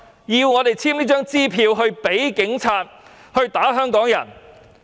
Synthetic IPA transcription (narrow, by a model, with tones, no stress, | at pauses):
jiː˧wŋɔː˨˧t̪e˨˩jt͡sʰiː˥mniː˥t͡ʃœː˥ŋt͡siː˥pʰiː˧wɦɵ˧ɥpe˨˥jkɪ˨˥ŋt͡sʰaː˧t̚ | hɵ˧ɥt̪aː˨˥ɦœː˥ŋkɔː˨˥ŋjɐ˨˩n